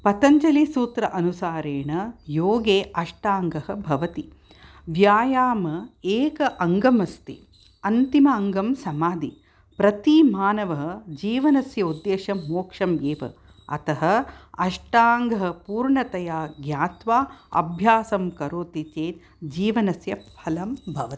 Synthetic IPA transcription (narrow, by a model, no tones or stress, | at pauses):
pɐt̪ɐɲt͡ʃɐlisuːt̪ɾɐʔɐnusaːɾeːɳɐjoːɡeːʔɐʂʈaːŋɡɐɦɐ̆bʱɐʋɐt̪i | ʋjaːjaːmɐeːkɐʔɐŋɡɐmɐst̪ḭ | ɐnt̪imɐːŋɡɐmsɐmaːd̪ʱi | pɾɐt̪imaːnɐʋɐɦɐd͡ʒiːʋɐnɐsjɐud̪jeːʃɐmoːkʂɐmjeːʋɐ̰ | ɐ̰t̪ɐɦɐ̆ɐʂʈaːŋɡɐɦɐ̆puːɾɳɐt̪ɐjaːɡjaːt̪ʋaːɐ̰bʱjaːsɐmkɐɾoːt̪it͡ʃeːt̪ | d͡ʒiːʋɐnɐsjɐpʰɐlɐmbʱɐʋɐt̪i